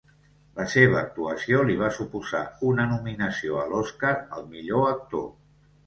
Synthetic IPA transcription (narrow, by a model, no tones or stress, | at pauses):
ləseβ̞əːk̚t̪uəsioliβ̞asupuza̰unənuminəsioəlɔskaɾə̰lˠmiʎoək̚t̪o